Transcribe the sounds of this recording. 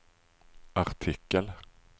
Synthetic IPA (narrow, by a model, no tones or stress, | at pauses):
aɾʈʰɪkːəl